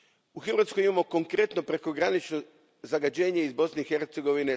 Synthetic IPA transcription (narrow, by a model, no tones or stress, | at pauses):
uxr̩ʋat̪skojimamo̞ko̞ŋkɾe̞t̪no̞pɾe̞ko̞ɡɾanit͡ʃno | zaɡad͡ʑe̞ːɲeizbo̞sne̞ixe̞ɾt̪se̞ɡo̞ʋine